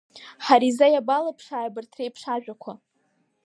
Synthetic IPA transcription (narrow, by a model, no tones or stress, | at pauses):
ħaɾizajabalapʰʂaːjbɨrtʰrejpʰʂaʒᶣakʷʰa